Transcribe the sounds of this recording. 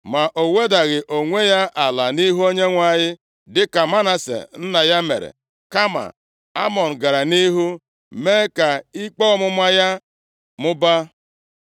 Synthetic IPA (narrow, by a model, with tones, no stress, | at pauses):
ma˨ʔo˨we˦da˨ɣɪ˨ʔo˨ŋʷe˦ja˦ʔa˨la˨ni˦ɦu˦o˦ɲe˦ŋʷa˦˨ɲɪ˦ | dɪ˦ka˨ma˦na˨sḛ˨n̩˦na˨ja˦mḛ˨ɾḛ˨ | ka˦ma̰˨ | a˦mɔ˨n̩˨ɡa˨ɾa˨ni˦ɦu˦ | me˦ka˨i˦k͡pɔ˦mʊ˦mʷa˦ja˦ | mʊ˦ba˦